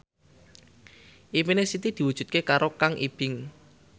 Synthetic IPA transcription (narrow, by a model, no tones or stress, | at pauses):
ʔiminesit̪id̪̥i̤wud̥ʒ̥ṳt̪̚kekaɾokaŋʔib̥ɪŋ